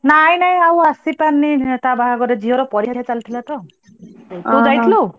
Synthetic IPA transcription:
najnaj̃awɦasipanːit̪abaɡaɡɔɾed͡ʒiɦɔɾɔpɔɾiɦaɦat͡ʃalt̪ʰilat̪ɔ | ewd͡ʒajt̪ʰilo

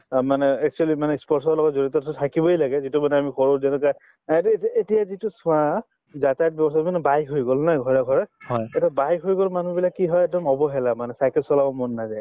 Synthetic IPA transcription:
manɛɛk̚t͡ʃualimanɛspɔɹsɔɹɔlɔɡɔtzoɹitɔtʰɔtʰakibɔjlaɡɛzitumanɛamixɔɹozɛnɛka | etijazitusʊ̃ã | zatajt̚bjɔbɔsamanɛbajɦojɡolnajɡʱɔɹaɡʱɔɹɛɛtabajɦojɡolmanubilakːiɦɔjɛk̚dɔmɔbɔɦɛlamanɛsajkɛlsɔlabɔmɔnːazaj

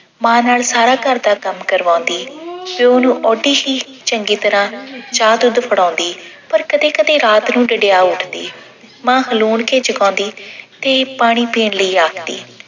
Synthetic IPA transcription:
mãːnaːlsaːɾaːkəɾd̪aːkəmkəɾʋãːnd̪iːʋeːonũːʔɔːɖiːɦiː | t͡ʃəŋɡiːt̪əɾãːt͡ʃaːd̪ʊd̪pʰəɽãːnd̪iːpəɾkəd̪eːkəd̪eːɾaːt̪nũːɖəɖejaːʊʈʰd̪ḭː | mãːhəluːɳkeːt͡ʃəɡãːnd̪iːt̪eːpaːɽ̃iːpiːɳləiːaːkʰd̪ḭː

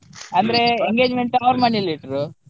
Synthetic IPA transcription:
ɐnd̪ɐɾeeŋɡeːd͡ʒmeɳʈuaʋɐɾmaɳiliʈɾu

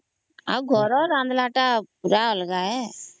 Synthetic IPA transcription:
a̰ɡʱɔɾɔɾãːnd̪laːʈapuɾaɔlɡaːɛ

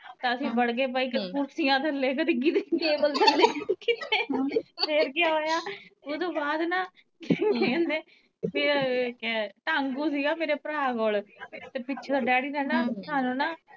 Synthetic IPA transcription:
t̪aːəsĩːbəɽɡeːp̬aːiːkkʊɾsɪjãːt̪ʰəlːeːkət̪iɡid̪eːk̪eːbəlt̪ʰəleːkɪt̪ːeːpʰeːɾkɪaːoːjaːot̪õːbaːd̪naː | kːkeːneː | meːɾaːkɛʈ̪aːŋɡuːsiːɡaːmeːɾeːpəɾaːkoːlt̪eːpɪt͡ʃʰːd̪aːɖɛːɽiːd̪ɛːnãːsaːnũːnaː

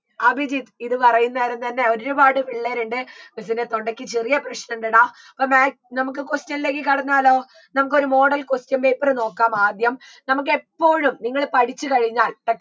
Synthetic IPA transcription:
ɐbʱid͡ʑit̪iðɨpɐrɐjunːeɐɾent̪ɐnːe̞o̞ɾɾubaːɽɨʋiɭːeːɾuɳɖɨmis̬inet̪o̞ɳɖɐkʲːit͡ɕerijɐprɐɕnɐuɳɖɨɽa | ɐpːomaː | nɐmuk̬ːɨkostjɐnile̞ːkːɨkɐɽɐɲːaːlo̞ː | nɐmuk̬ːo̞ɾumo̞ːɽɐlkostjɐmbejpːɐrɨno̞ːkːaːmaːd̪jɐm | nɐmuk̬ːɨe̞pːo̞ːɻumniŋːɐɭpɐɽit͡ɕːɨkɐɻiɲːaːlʈɐk

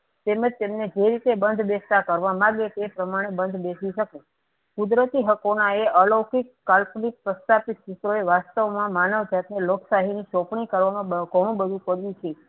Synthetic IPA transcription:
t̪eməd͡ʒt̪emned͡ʒeɾit̪ebənd̪ʱbest̪akəɾʋamãɡet̪epɾəmaɽ̃ebənd̪ʱbesiʃəke | kud̪ɾət̪iɦəkonaeəlokikːalpnik̚pɾəst̪ʰapit̪ʃɪt̪ɾoeʋast̪əʋmãmanəʋd͡ʒat̪neloksaɦiniʃɔpɳ̃ikəɾʋamãbəɡʱəɽ̃ũbəd̪ʱũpəɾjũt͡ʃʰe

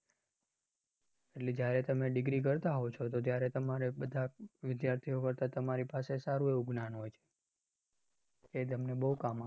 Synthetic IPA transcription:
eʈled͡ʒjaɾet̪əmeɖɪɡɾik̬əɾt̪aɦot͡ʃʰot̪ot̪jaɾet̪əmaɾebəd̪ʱaʋɪd̪jaɾt̪ʰiokəɾt̪at̪əmaɾipasesaɾueuɡnanɦojt͡ʃʰe̥ | et̪əmnebəɦukama

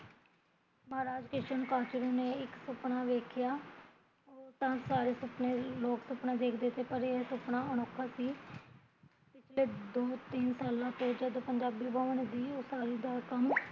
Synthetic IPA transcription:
məɦaːɾaːd͡ʒkɪʃənkaːt͡ʃɾiːneːɪksəpnaːʋeːkʰjaː | oːt̪ãːsaːɾeːsʊpneːloːksʊpnãːd̪eːkʰd̪ɪt̪eːpəɾeːsʊpnaːəñokʰːaːsiː | pɪt͡ʃʰleːd̪oːt̪iːnsaːlãːt̪õːd͡ʒəd̪pəɲd͡ʒaːbiːbəːʋəɳd̪iːoːsaːɾiːd̪aːkəm

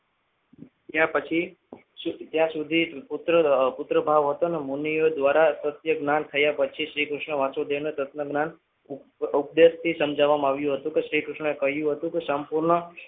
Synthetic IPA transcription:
t̪jãpət͡ʃʰi | sut̪jãsud̪ʱipʊt̪ɾəpʊt̪ɾəbʱaʋɦət̪onemonijod̪ʋaɾat̪ət̪jəɡnant̪ʰəjapət͡ʃʰiʃɾikɾʊʃɳəʋãt͡ʃod̪enot̪ət̪nəɡnan | up̚d̪est̪isəmd͡ʒaʋamãaʋjũɦət̪ũkeʃɾikɾʊʃɳəekəɦjũɦət̪ũkesəmpuɾɳə

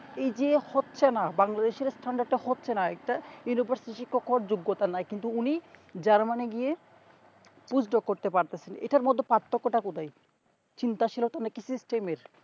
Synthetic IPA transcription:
ejd͡ʑehotːɕʰenabaŋlad̪eʃeɾsʈʰaɳɖaɖɖehotːɕʰenaɛk̚ʈajunibʱaɾsiʈʃikokːɔɾd͡ʑoɡːot̪anajkint̪uunid͡ʑaɾmaneɡije | pud͡ʑʰɖokːoɾt̪epaɾt̪et͡ɕʰenḛʈaɾmɔd̪ʱːopat̪ːokːoʈakud̪aj | t͡ɕint̪aʃʰilot̪anekisisʈemeɾ

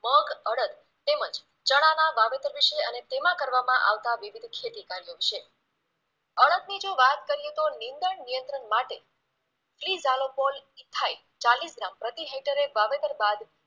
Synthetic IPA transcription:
məɡəɽət̪ | t̪emə̃d͡ʒ | t͡ʃəɽ̃anaʋaʋed̪əɾʋiʃeənet̪emãkəɾʋamãʔaʋt̪aʋiʋid̪ʱkʰet̪ikaɾjoʃe | əɽət̪nid͡ʒoʋat̪kəɾijet̪onĩnd̪əɳnijənt̪ɾənmaʈe | flizalopolit̪ʰːai | t͡ʃalisɡɾampɾət̪iɦeʈəɾeʋaʋet̪əɾbad̪

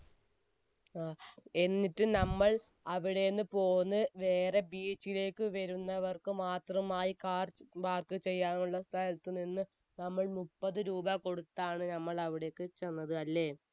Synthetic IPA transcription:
aːe̞nːiʈːɨnɐmːɐɭ | ɐʋiɽe̞nːɨpo̞ːnːɨʋeːre̞biːt͡ɕːile̞ːkːɨʋɐɾunːɐʋɐrkɨmaːt̪rɐmaːjikaːrʋaːrkɨt͡ɕe̞jːaːnuɭːɐst̪ʰɐlɐt̪ːɨninːɨ | nɐmːɐɭmupːɐðɨɾuːbɐko̞ɽut̪ːaːɳɨnɐmːɐɭɐʋiɽekːɨt͡ɕenːɐðɨɐlːe̞ː

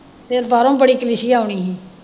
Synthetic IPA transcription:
t̪eːɾbaːɾõːbəɽiːkəlɪʃiːaːʊɳ̃iːɦĩː

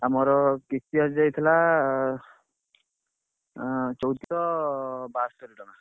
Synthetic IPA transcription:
amɔɾɔkisiɦɔd͡ʒajt̪ʰila | t͡ʃɔwt̪itɔbastɔɾiʈɔna

